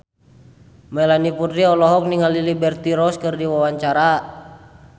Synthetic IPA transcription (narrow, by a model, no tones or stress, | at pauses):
mɛlanipud̪ɾiɔlɔɦɔk̚niŋalilibɛrt̪iɾɔskɨrdiwawaɲt͡ʃaɾa